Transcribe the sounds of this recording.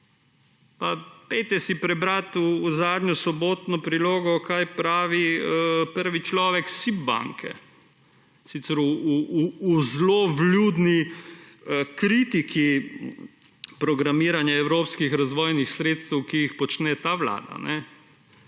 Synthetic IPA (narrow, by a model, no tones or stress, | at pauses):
papɛjt̪ɛsipɾɛbɾat̪uːzaːd̪ɲʲɔsɔboːt̪nɔpɾiloːɡɔkajpɾaːʋipəɾʋit͡ʃlɔːʋɛksib̚ba̰ŋkʰɛ̰ | sit̪sɛɾuuː | zlobljud̪ni | əkɾit̪iki | pɾɔɡɾamiːɾanjaɛwɾoːpskixɾazʋɔːjnixsɾeːt̪st̪ɛwkijixpɔt͡ʃnɛt̪aːʋla̰ːd̪a̰nɛ